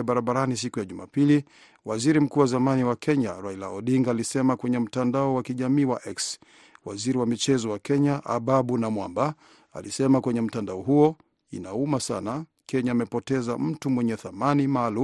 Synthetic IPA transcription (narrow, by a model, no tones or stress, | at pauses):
ɓaɾaɓaɾanis̬ikujaʄuma̰pili | waziɾim̩kuːwazamaniwakʰɛɲa̰ɾailaɔɗiŋɡaːlisɛmakwɛɲɛm̩tandaɔwakiʄamiːwaʔɛks | wa̰ziɾiwamit͡ʃɛzɔwakɛɲaʔaɓaɓunamwamba | a̰lḭsɛmakwɛɲɛm̩tandaɔɦuɔ | ḭnaumasa̰na | kɛɲaːmɛpɔtɛza̰m̩tumwɛɲɛθamanimaːlu